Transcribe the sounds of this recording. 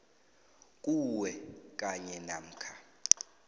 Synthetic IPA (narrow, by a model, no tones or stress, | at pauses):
k̬ʼuwɛk̬ʼaɲɛnam̩ːkʰa